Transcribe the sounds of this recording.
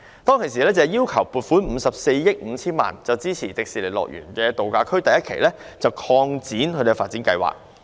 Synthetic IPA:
t̪ɔː˥ŋkʰe˨˩s̬iː˨˩lɛː˥t͡sɐ˨ɛ˨jiː˥wkʰɐ˨˩wpuː˨˩t̚fuː˨˥nm̩ː˨˧sɐ˨p̚se˧jːɪ˥k̚m̩˨˧t͡sʰiː˥nma̰ː˨˩nt͡sɐ˨wt͡siː˥t͡sʰiː˨˩t͡sɪ˨k̚siː˨˩le˨˩lɔ̰ː˨k̚jɥy̰ː˨˩nkɛː˧t̪o˨wkaː˧kʰɵ˥ɥt̪ɐ˨jɐ˥t̚kʰe˨˩jlɛː˥t͡sɐ˨wkʰɔː˧ŋt͡siː˨˥nkʰɵ˧d̪faː˨t̚t͡siː˨˥nkɐ˧jwa̰ː˨˩k̚

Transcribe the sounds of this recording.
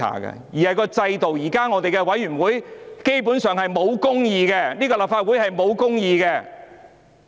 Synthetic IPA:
a̰ː˨˩kɛ̰˧jiː˨˩hɐ˨jkɔː˧t͡sɐ˧jt̪o˨wjiː˨˩kaː˥ŋɔː˨˧t̪e˨jkɛ˧wɐ˨˥jɥyː˨˩nwuː˨˥jke˥jp̬uː˨˥nsœː˨ŋhɐ˨jmo˨˧wkʊ˥ŋjiː˧ɡɛ˧niː˥kɔː˧laː˨˩pfaː˧t̚wuː˨˥jhɐ˨jmo˨˧wkʊ˥ŋjiː˧ɡɛː˧

